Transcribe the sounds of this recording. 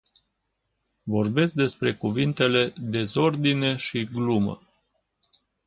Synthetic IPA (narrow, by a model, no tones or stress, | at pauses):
vo̞rbe̞tsk̚d̪e̞spɾe̞kuvint̪e̞le̞d̪e̞zo̞rd̪ine̞ʃiɡlumə̰